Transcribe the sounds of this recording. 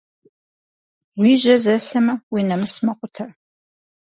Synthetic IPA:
wiːʑɐzɐsɐmɐwinɐmɨsmɐqʷʼʊtʰɐr

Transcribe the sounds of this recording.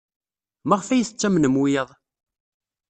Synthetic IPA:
maʁfæjəθət͡sːæmnəmwijəðˤ

